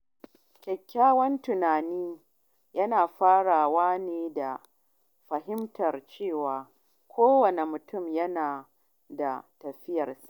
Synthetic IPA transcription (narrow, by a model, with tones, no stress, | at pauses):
kʲɛ˨kʲʰːaː˦wɐ˦ntʊ˨naː˨niː˦ | jɐ˦naː˨ɸaː˦ɽaː˨waː˦neː˨da˨ | ɸɐ˨ɦɪ˦mtʰɐ˨rt͡ʃeː˦˨waː˨ | kʷʰoː˦wɐ˨ne˨mʊ˨tʊ˦˨mjɐ˦naː˨ | da̰˨tɐ˨ɸɪ˦jɐ˨rsḁ˨˦ʔ